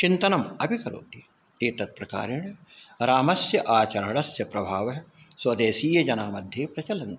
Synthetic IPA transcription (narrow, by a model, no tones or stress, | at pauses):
t͡ʃint̪ɐnɐmɐbʱikɐɾo̰ːt̪i | eːt̪ɐt̪̚pɾɐka̰ːɾiɳ | ɾaːmɐsjɐʔaːt͡ʃɐɾɐɳ̃ɐsjɐpɾɐbʱaːʋɐɦ | swɐd̪eːsiːjɐd͡ʒɐnaːmɐd̪ʱjeːpɾɐt͡ʃɐlɐnt̪